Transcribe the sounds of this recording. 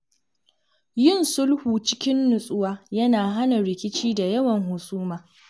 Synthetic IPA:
jɪ˦˨nsʊ˦lhuː˨t͡ʃɪ˦kʲɪ˦nːʊ˨sʼʊ˦waː˦jɐ˦naː˨ɦa˦na˨ɾɪ˨kʲɪ˦t͡ʃiː˦da˨jɐ˦wɐ˨ŋɦʊ˨sʼuː˦maː˨

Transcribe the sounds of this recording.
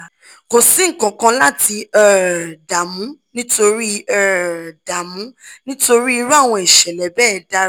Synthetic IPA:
ko˨sĩ˨˦ŋ̩˨kã˨kã˧la˦ti˧ɛ˨da˨mũ˨˦nĩ˦to˧ɾi˦ɛ˦˨da˨mũ˨˦nĩ˦to˧ɾi˦i˧ɾu˦a˦˨w̃ɔ̃˧i˨ʃɛ˨lɛ˨bɛː˦˨da˦

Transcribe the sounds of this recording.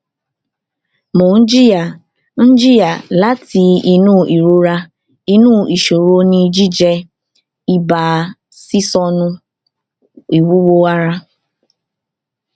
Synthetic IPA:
mʊ˨n̩˦d͡ʒi˦ja˨ | n̩˦d͡ʒi˦ja˨la˦ti˨i˦nu˦ʔi˨ɾo˦ɾa˦ | i˦nuː˦˨i˨ʃo˨ɾo˦ni˦d͡ʒi˦d͡ʒe˦ | i˦baː˨ | si˦sɔ˦nʊ˦ | i˨wu˦wo˦a˦ɾa˦

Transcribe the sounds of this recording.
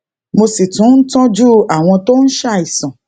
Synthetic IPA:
mo˧si˨tũ˨˦n̩˦tɔ̃˦d͡ʒu˦a˨w̃ɔ̃˧to˦ñ̩˦ʃa˦˨i˨sã˨

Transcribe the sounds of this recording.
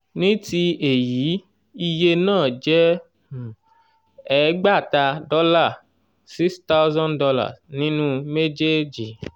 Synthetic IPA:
nĩ˦ti˧e˨ji˨˦ | i˧je˧nãː˦˨d͡ʒɛ˦˨ | ɛ˨˦ɡ͡ba˦˨ta˧dɔ˦la˦˨ | si˦ksta˦wzɔ̃˦ndɔ˧la̰˦˨snĩ˨˦nũ˦me˦d͡ʒe˦d͡ʒi˨

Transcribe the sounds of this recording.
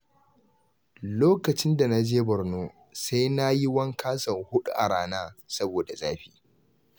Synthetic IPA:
loː˦kɐ˨t͡ʃɪ˦nda˨na˦d͡ʒeː˦bɐ˨ɾnoː˦ | sa˦jna˦ji˦wɐ˦ŋkʰaː˦sɐ˨ŋhʊ˦ɗṵ˦ʔa˨ɽaː˦naː˦sɐ˦boː˨da˨zaː˦ɸiː˦

